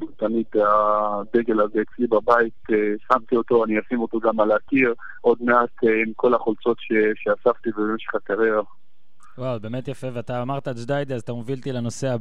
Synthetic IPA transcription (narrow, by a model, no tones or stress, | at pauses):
t̪amid̪adeɡe̞lazeet͡slibabait̪esamt̪io̞t̪o̞aniasimo̞toɡamaleakiʁ | o̞d̪meat̪imko̞laχolt͡so̞t̪ʃeʃeasavt̪ivebemeʃeχakaʁeʁa | wawbe̞ːmet̪jafe̞veat̪aːmaʁt̪ad͡ʒd̪ajd̪iazat̪amovilt̪ilano̞se̞a